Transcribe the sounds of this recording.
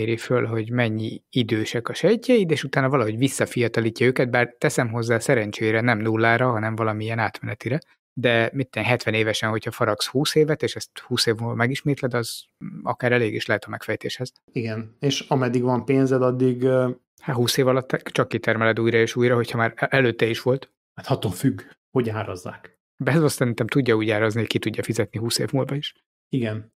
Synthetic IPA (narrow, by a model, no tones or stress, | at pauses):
eːɾifølɦo̞ɟmɛɲːiid̪øːʃɛkɒʃɛcːɛid̪eːʃut̪aːnɒvɒlɒɦo̞ɟvisːɒfijɒt̪ɒliːcːɒøːkɛd̪̚baːrt̪ɛsɛmɦo̞zːaːsɛɾɛɲt͡ʃeːɾɛnɛmnulːaːɾɒɦɒnɛɱvɒlɒmiiɛnaːt̪mɛnɛt̪iɾɛ | d̪ɛmit̪ːɛnɦɛt̪ʋɛneːvɛʃɛnho̞cʰhɒfɒɾɒkshuːseːvɛt̪eːʃɛst̪huːseːvmomɛɡiʃmeːt̪lɛd̪ɒz | ɒ̰kaːɾɛleːɡiʃlɛɦɛt̪ɒmɛkfɛjt̪eːʃhɛz̥ | iɡɛneːʃɒmɛd̪ːiɡʋɒmpeːnzɛd̪ɒd̪ːiɡ | hat̪huːseːvɒlɒt̪ːɛt͡ʃɒkːit̪ɛrmɛlɛd̪uːjɾɒeːʃuːjrɒɦo̞chɒmaːɾʔɛløːt̪ːɛiʃʋo̞lt̪ | hat̪hɒt̪ofyɡ | ho̞ɟaːɾozːa̰ːk | bɛzosɛɾint̪ɛmt̪uɟːɒuːɟaːɾozniockit̪uɟːɒfizɛt̪niɦuːsḛːvmulvɒiʃ | iɡɛn